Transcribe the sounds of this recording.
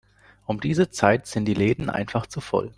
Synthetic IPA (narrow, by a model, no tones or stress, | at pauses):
ʔʊmdiːzət͡saɪtz̥ɪnt̚d̥iːleːdn̩ʔa̰ɪnfaχt͡sufɔ̰l